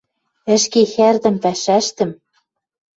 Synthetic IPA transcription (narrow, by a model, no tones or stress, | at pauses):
ɘ̆ʃkexærd̪ɘ̆mpæʃæʃt̪ɘ̆m